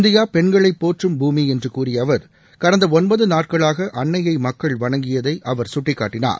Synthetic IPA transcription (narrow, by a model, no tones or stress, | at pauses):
nd̪ɪjaːpɛɳɡɐɭɐɪpːoːʈrɯmbuːmiɛndrɯkuːrɪjɐʋɐɾ | kɐɾɐnd̪ɐɔnbɐðɯnaːʈ̚kɐɭaːɣɐʔɐɳːɐjɐɪmɐkːɐɭʋɐɳɐŋɡɪjɐðɐɪʔɐʋɐɾsʊʈːɪkːa̰ːʈːɪna̰ːɾ